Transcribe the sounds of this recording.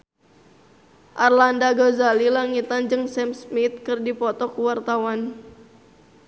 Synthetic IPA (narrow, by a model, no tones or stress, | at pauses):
ʔarlandaɡozalilaŋit̪and͡ʒɨŋsɛmsmit̪̚kɨrdipɔt̪ɔkuwart̪awan